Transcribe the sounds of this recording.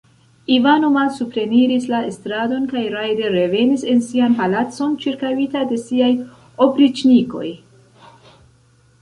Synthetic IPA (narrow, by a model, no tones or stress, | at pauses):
ivanomalsupɾe̞niɾislaestɾado̞nkajɾajde̞ɾe̞ve̞nise̞nsianpalat͡so̞nt͡ʃiɾkawitade̞siaj | o̞pɾit͡ʃniko̞̰j